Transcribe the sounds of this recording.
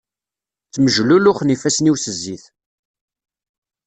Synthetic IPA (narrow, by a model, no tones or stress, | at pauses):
t͡sːməʒlulʊχnifæsniwsəzːiθ